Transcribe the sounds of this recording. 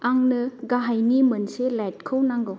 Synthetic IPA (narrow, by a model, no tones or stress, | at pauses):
aŋnɯɡaɦajnimɐnselajt̚kʰɯwnaŋɡɯw